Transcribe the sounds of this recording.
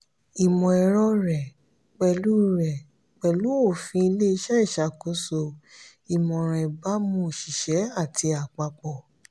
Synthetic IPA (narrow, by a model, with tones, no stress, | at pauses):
i˨mɔ̃˨ɛ˧ɾɔ˦ɾɛ˨ | k͡pɛ˧lu˦ɾɛ˨ | k͡pɛ˨lu˨˦o˦˨fĩ˧i˧le˦i˧ʃɛ˦i˦˨ʃa˧ko˨˧˦so˧ | i˨mɔ̃˨ɾ̃ɛ̃˨ba˨˦mũ˧˨ʃi˨ʃɛ˨˦a˦˨tʰi˧a˨k͡pa˧k͡pɔ˨